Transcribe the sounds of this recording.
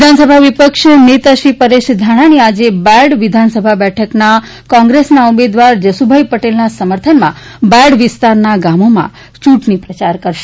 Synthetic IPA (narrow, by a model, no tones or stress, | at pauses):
d̪ʱansəbʱaʋipəkʃnet̪aʃɾipəɾeʃd̪ʱaɽ̃aɽ̃iad͡ʒebaɽʋɪd̪ʱansəbʱabɛʈʰəkna | kɔ̃ŋɡɾesnaumed̪ʋaɾd͡ʒəsubʱajpəʈelnasəməɾt̪ʰənmã̰baɽʋɪst̪aɾnaɡamomã̰ | t͡ʃuʈnipɾət͡ʃaɾkəɾʃe